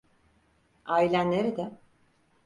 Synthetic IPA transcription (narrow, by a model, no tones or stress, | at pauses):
aːilʲænːʲeɾid̪ɛ